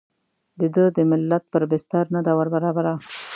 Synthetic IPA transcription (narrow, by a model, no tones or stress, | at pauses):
d̪əd̪əd̪əmɪlːat̪̚pəɾbɪst̪aɾnad̪awaɾbaɾɑbaɾa